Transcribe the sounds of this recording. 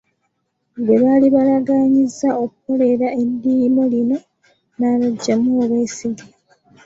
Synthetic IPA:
ŋɡeβaːliβalaɡaːɲizːaokuko̞le̞ɾae̞ndimo̞lino̞ | naːβaɟːamuːβweːsiɡi

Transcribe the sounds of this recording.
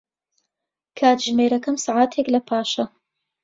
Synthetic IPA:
kʰaːt̪ʒmeːɾɐkɐmsaʕaːt̪ʰeklɐpʰaːʃɐ

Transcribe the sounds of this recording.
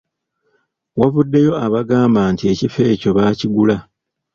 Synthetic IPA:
wavudːe̞jo̞aβaɡaːmbaːntie̞cife̞ːco̞βaciɡula

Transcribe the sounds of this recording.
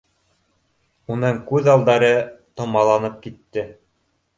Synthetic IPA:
unɤŋkʉðɑlˠd̪ɑɾɤt̪ŏmɑlˠɑnɤp̚kit̪ːɘ

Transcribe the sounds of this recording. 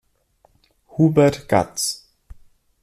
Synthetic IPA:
hubɛtɡ̥a̰tt͡s

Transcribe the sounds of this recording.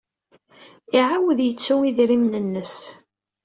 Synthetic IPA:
iʕawəðjət͡sːuŋiðɾimnənːəs

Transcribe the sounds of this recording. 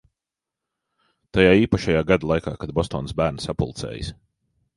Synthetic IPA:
t̪ajaːiːpaʃajaːɡad̪alˠajka̰ːkad̪̚bɔst̪ɔːnsbæːɾnsapṵlˠt̪sɛ̰ːjḭs

